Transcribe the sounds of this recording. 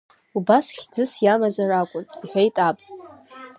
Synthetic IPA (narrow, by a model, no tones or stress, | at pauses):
ubasχʲd͡zɨsjamazarakʷʼʊniħʷᶣajtʼapʼ